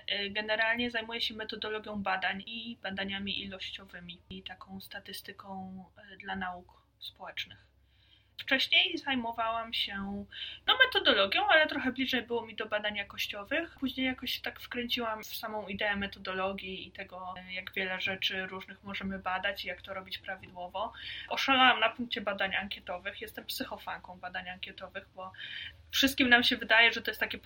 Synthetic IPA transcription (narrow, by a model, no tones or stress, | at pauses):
ɡɛnɛɾalɲɛzajmujɛɕɛmɛt̪ɔd̪ɔlɔɡʲjɔ̃w̃bad̪aɲib̥ad̪aɲamʲiʔilɔɕt͡ɕɔvɘmʲit̪akɔ̃w̃st̪at̪ɘst̪ɘkɔ̃w̃d̪lanauk | spɔwɛt͡ʂnɘx | ft͡ʂɛɕɲejzajmɔvawamɕɛnɔmɛt̪ɔd̪ɔlɔɡʲjɔ̃w̃alɛt̪ɾɔxɛblʲiʐɛjbɘwɔmʲid̪ɔbad̪aɲjakɔɕt͡ɕɔvɘxpuʑɲejːakɔɕt̪akfkɾɛɲt͡ɕiwamssamɔ̃w̃id̪ɛɛmɛt̪ɔd̪ɔlɔɡʲjiːt̪ɛɡɔjaɡvʲjɛlɛʐɛt͡ʂɘɾuʐnɘxmɔʐɛmɘbad̪at͡ɕijakt̪ɔɾɔbʲit͡ɕpɾavʲid̪wɔvɔɔʂalawamnapuŋk̚t͡ɕɛbad̪aɲaŋkʲjɛt̪ɔvɘxjɛst̪ɛmpsɘxɔfaŋkɔ̃w̃bad̪aɲaŋkʲɛt̪ɔvɘxbɔ | fʂɨst̪̚kʲimnamɕɛvɘd̪ajɛʐɛt̪ɔjɛst̪ːakʲɛ